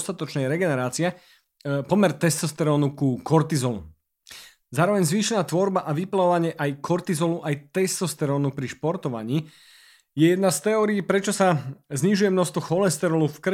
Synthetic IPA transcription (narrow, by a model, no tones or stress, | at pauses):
st̪at̪ɔt͡ʃnɛjɾɛɡɛnɛɾaːt͡siɛ | pɔmɛɾt̪ɛst̪ɔst̪ɛɾɔːnukukɔɾt̪izɔlṵ | zaːɾɔʋɛɲzʋiːʃɛnaːt̪ʋɔɾbaʔaʋiplaʋɔʋaɲɪɛʔajkʰɔɾt̪izɔluʔajt̪ɛst̪ɔst̪ɛɾɔːnupɾiʃpɔɾt̪ɔʋa̰ɲiː | jɛjɛd̪̚nast̪ɛɔːɾiːpɾɛt͡ʃɔsazɲiʒujɛmnɔst̪ʋɔxɔlɛst̪ɛɾɔlufkr